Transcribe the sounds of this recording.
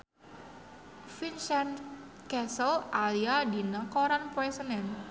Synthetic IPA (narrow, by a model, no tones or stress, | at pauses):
finsɛn | kɛsəlaliadinakoɾanpoɛsənɛn